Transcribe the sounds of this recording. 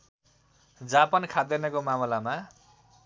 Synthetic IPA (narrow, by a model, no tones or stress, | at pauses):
d͡zapʌnkʰad̪enʌkomamʌlama